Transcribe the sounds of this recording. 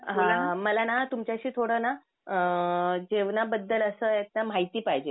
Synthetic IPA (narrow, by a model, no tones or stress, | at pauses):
ɦãnaməlanat̪umt͡ɕjaɕiːt̪ʰoɽəːna | əd͡ʑeʋnabəd̪ːələsəːet̪̚nam̤ait̪iːpaɦid͡ʑe